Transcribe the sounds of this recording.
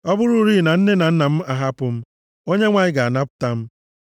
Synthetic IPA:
ɔ˦bʊ˦ɾʊ˦ɾi˦˨na˨n̩˦ne˦na˨n̩˦na˨m̩˦a˨ɦa˦pʊ˨m̩˦ | o˦ɲe˦ŋʷa˨ɲɪ˦ɡa˨a˨na˦pʊ̥˨ta˦m̩˦

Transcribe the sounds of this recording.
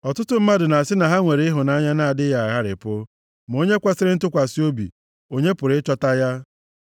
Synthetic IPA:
ɔ˨tʊ˦tʊ˦m̩˦ma˦dʊ˨na˨a˨sɪ˦na˨ɦa˦ŋʷe˨ɾe˨˦ɪ˦ɦʊ˨na˦ɲa˦na˦a˨dɪ˦ja˨a˨ɣa˦ɾɪ̰˨pʊ˦ | m˨o˦ɲe˦kʷa˦sɪ˦ɾɪ˦n̩˦tʊ˦kʷa˨si˦o˦bḭ˨ | o˦ɲe˦pʊ˨ɾɪ˦t͡ʃɔ˦ta˦ja˦

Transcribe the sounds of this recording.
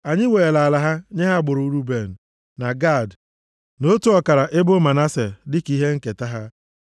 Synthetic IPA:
a˨ɲɪ˦weː˨la˨la˨ɦa˦ɲe˦ɦa˦˨ɡ͡bʊ˨ɾu˨˦ɾu˦be˨n̩˨ | na˨ɡa˦˨d | no˦tu˦ɔ˨ka˨ɾa˨ʔe˦bʊ˦ma˨na˦se˨dɪ˦ki˦ɦe˦ŋ̩˦ke˨ta˦ɦa˦

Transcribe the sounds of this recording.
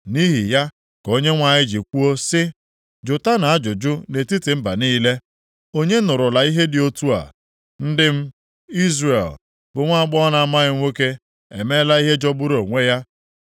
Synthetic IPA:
ni˦ɦi˨ja˦ | ko˦ɲe˦ŋʷa˨ɲɪ˦d͡ʒi˨kʷu˦o˦sɪ˦ | d͡ʒʊ˨ta˦na˨a˦d͡ʒʊ˨d͡ʒʊ˦ne˨ti˦tɪ˨m̩˦ba̰˨niː˦le˦ | o˦ɲe˦nʊ˨ɾʊ˨la˨i˦ɦe˦dɪ˨o˦tu˦a̰˨ | n̩˦dɪ˦m̩˦ | i˦zre˨l | bʊ˨ŋʷa˦a˨ɡ͡bɔ˦na˨a˨ma˦ɣɪ˦ŋʷe˦ke˦ | ḛ˨me˦la˦i˦ɦe˦d͡ʒɔ˦bʊ˦ɾo˨ŋʷe˦ja˦

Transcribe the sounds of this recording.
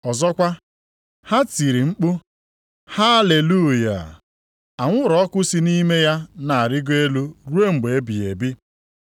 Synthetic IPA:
ɔ˨zɔ˦kʷa˦ | ha˦ti˨ɾi˨ŋ͡m̩˦k͡pʊ˦ | ha˦le˨lu˦˨ja̰˨ | a˨ŋʷʊ˦ɾɔ˨˦kʊ˦si˦ni˦me˦ja˦na˨a˨ɾɪ˦ɡe˦lu˦ɾu˦e˦ŋ͡m̩˨ɡ͡be˨e˦bi˨e˨bɪ˦

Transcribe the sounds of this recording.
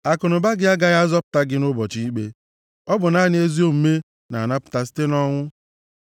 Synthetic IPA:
a˨kʊ˨nʊ˨ba˦ɡɪ˦a˦ɡa˦ja˦zɔ˦pʊ̥˨˦ta˦ɡɪ˦nʊ˦bɔ˨t͡ʃi˦i˦k͡pe˦ | ɔ˦bʊ˨na˦nɪ˦e˦zi˦o˦m̩˨˦me˦ | na˨na˦pʊ̥˨ta˨s̬i̥˦te˦nɔ˦ŋʷʊ˦

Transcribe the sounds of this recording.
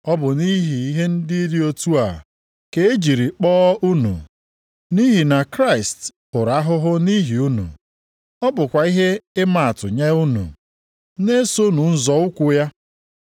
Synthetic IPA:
ɔ˦bʊ˨ni˦ɦi˨i˦ɦe˦n̩˦dɪ˦i˦ɾɪ˦o˦tu˦a̰˨ | ke˨e˦d͡ʒi˨ɾi˨k͡pɔː˦ʔu˦nṵ˨ | ni˦ɦi˨na˨kɾa˦˨ɪ˨stpʊ˨ɾa˦ɦʊ˦ɦʊ˦ni˦ɦi˨u˦nṵ˨ | ɔ˦bʊ˨kʷa˨i˦ɦe˦ɪ˦ma˨a˨tʊ̰˨ɲe˦u˦nṵ˨ | ne˦so˦nu˨n̩˦zɔ˨ʊ˦kʷʊ˦ja˦

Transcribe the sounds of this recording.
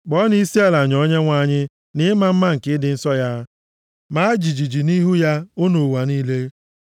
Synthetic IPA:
ɡ͡bɔ˦n˦i˦si˦a˦la˨ɲɔ˦ɲe˦ŋʷa˦˨ɲɪ˦ | nɪ˦ma˨m̩˦ma˦ŋ̩˨kɪ˦dɪ˨n̩˦sɔ˦ja˦ | ma˦d͡ʒi˨d͡ʒi˨d͡ʒi˨ni˦ɦu˦ja˦ʊ˦no˨wa˨niː˦le˦

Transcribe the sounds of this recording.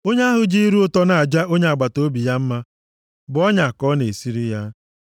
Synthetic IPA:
o˦ɲe˦a˦ɦʊ˨d͡ʒi˦i˦ɾu˦ʊ˦tɔ˦na˨a˨d͡ʒa˦ʔo˦ɲe˦a˨ɡ͡ba˨to˦bi˨ja˦m̩˦ma˦ | bʊ˨ɔ˦ɲa˨kɔ˦ne˨si˦ɾi˦ja˦

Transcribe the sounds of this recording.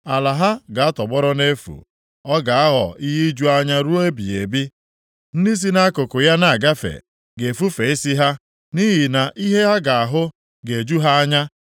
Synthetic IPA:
a˨la˨ɦa˦ɡa˨a˦tɔ˨ɡ͡bɔ˦ɾʊ˦ne˦fṵ˨ | ɔ˦ɡa˨a˦ɦɔ̰˨i˦ɦi˦d͡ʒu˦a˦ɲa˦ɾu˦e˦bḭ˨ḛ˨bi˦ | n̩˦di˦s̬i˦na˦kʊ˨kʊ˨ja˦na˨a˨ɡa˦fḛ˨ | ɡe˨fu˦fe˨i˦si˦ɦa˦ | ni˦ɦi˨na˨ʔi˦ɦe˦ɦa˦ɡa˨a˨ɦʊ˦ | ɡe˨d͡ʒu˦ɦa˦a˦ɲa˦

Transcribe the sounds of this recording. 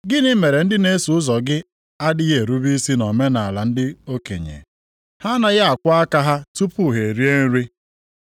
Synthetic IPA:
ɡɪ˦nɪ˦me˨ɾe˨n̩˦dɪ˦ne˦su˨ʊ˦zɔ˨ɡɪ˦ | a˦dɪ˦ɣe˦˨ɾu˦bi˦si˦nɔ˨me˦na˨la˨n̩˦dɪ˦o˦kḛ˨ɲḛ˨ | ha˦na˦ɣa˨kʷa˦a˦ka˦ɦa˦tu˦pu˦˨ɦe˨ɾi˦e˦n̩˦ɾi˦

